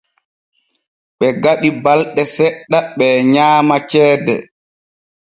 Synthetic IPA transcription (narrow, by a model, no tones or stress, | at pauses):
ɓɛɡaɓibalɗɛsɛɗːaɓɛɲaːmat͡ʃɛːdɛ̰